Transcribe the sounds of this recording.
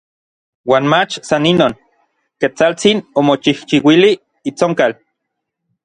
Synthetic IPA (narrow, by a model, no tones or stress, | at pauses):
waːnmat͡ʃsaninoːn | ket͡salt͡sinomot͡ʃiht͡ʃiwiliː | t͡soŋkal